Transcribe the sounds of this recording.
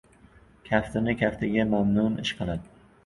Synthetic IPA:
kʲʰaft̪ʰɪnɪkʲʰaft̪ʰɪɡʲamamnʊnɪʃqʰɨlˠad̪ɪ

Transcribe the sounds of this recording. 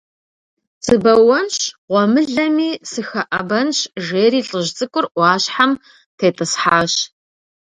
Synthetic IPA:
t͡sʼɨbɐwɐnɕʁʷɔmɨɮɐmiːsɨxɐʔɐbɐnɕʒeːriːɬʼɨʑt͡sʼɨkʷʼʊrʔʷɑːɕħam | tʰeːtʼɨsħaːɕ

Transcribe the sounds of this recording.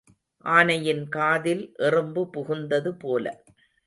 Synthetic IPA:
ʔaːnɐjɪnkaːðɪlʔɛrɯmbɯpʊɣʊnd̪ɐðɯpoːlɐ̰

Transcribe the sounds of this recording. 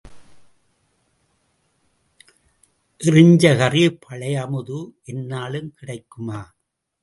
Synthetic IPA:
ʔɪrɪɲd͡ʒɐɣɐrɪpʰːɐɭɐjɐmɯðɯʔɛnːaːɭɯmkɪɽɐɪkːɯmaː

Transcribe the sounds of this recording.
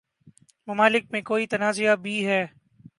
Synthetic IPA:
mɐmaːlɪk̚mẽkoːit̪ɐnaːzijabʱiɦɛː

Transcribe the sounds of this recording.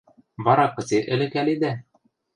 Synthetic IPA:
βɑɾɑqːɤ̆t̪iʔɘ̆lɘ̆kælid̪æ

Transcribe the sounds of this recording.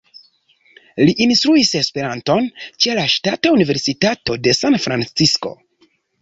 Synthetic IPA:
liʔinstɾuise̞spe̞ɾanto̞nt͡ʃelaʃtataunive̞ɾsitato̞de̞sanfɾant͡sisko̞̰

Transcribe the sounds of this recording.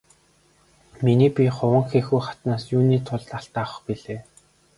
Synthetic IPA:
miniːpʲiχʊwə̆ŋxeːxujχḁt̪naːsjuːniːt̪ʰʊɮt̪aɬt̪awə̆χpiɮeː

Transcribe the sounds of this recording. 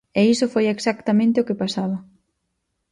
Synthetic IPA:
ɛisofojeksakt̪amẽnt̪eokepasaβɐ

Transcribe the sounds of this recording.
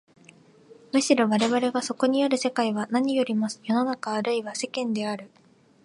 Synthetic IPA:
mɯ̟ɕiɾo̞βaɾe̞βaɾe̞ɡaso̞ko̞ɲ̟iaɾɯ̟se̞kaiβanaɲ̟ijo̞ɾʲimasɨ̥jo̞no̞nakaːɾɯ̟iβase̞kẽ̞nd̪e̞aɾɯ̟

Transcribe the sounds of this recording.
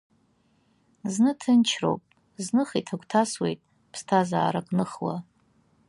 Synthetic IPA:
znɨtʰɨnt͡ʃʰro̞̰wpʼ | znɨχitʰakʷʰʼtʰaswe̞̰jtʼ | pʰstʰaza̰ːɾakʼnɨχwa̰

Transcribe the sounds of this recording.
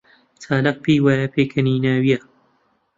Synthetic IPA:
t͡sʰaːlɐq̚piːwaːjapʰeːkʰɐniːnaːwija

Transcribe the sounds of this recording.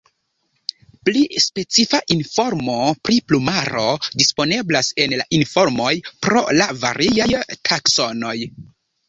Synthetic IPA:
plispe̞t͡sifaʔinfo̞ɾmo̞pɾiplumaɾo̞dispo̞ne̞blase̞nlaʔinfo̞ɾmo̞jpɾo̞̰lava̰ɾʔiajtʰakso̞no̞j

